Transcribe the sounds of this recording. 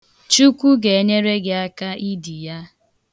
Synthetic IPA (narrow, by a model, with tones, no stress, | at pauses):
t͡ʃu˦kʷu˦ɡe˨e˦ɲe˦ɾe˦ɡe˨a˦ka˦i˦di˨ja˦